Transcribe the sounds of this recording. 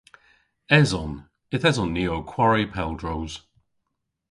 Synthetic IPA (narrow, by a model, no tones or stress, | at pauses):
ɛzɔn | ɪθɛzɔnːiːowkʰw̥aɹipʰɛlˠdɹowz̥